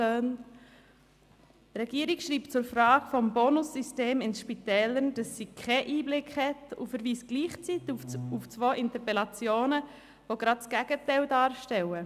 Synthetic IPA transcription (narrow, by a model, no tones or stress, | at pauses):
øːn | trɛɡ̥iːəɾikʃriːpt͡sʊɾfɾaːɡ̥fɔmbonʊsːysteːmɪnsʃpitɛːlənd̥ɑsːiːkʰɛʔiːblɪkhɛtʊ̰fəɾviːsɡ̥liːχt͡sit̪uft͡svoːʔɪntəpɛlɑt͡sjoːnə | voɡ̥ɾɑt̚t͡sɡ̥æɡ̥ətɛɪldɑːɾʃtɛwə